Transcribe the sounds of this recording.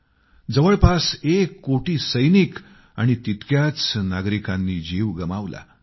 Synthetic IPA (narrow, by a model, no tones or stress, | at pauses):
d͡zəʋəɭpasekːoʈiːsəjnik | aɽ̃it̪it̪kjat͡snaɡɾikanːiːd͡ʑiʋɡəmaʋla̰